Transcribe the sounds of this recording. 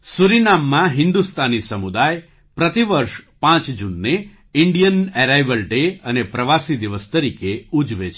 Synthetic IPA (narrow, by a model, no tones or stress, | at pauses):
suɾinamːãɦɪnd̪ust̪ʰanisəmud̪aj | pɾət̪iʋəɾʃpãt͡ʃd͡ʒunːe | iɳɖijəneɾajʋəlʈeənepɾəʋasid̪iʋəst̪əɾikeud͡ʒʋet͡ʃʰe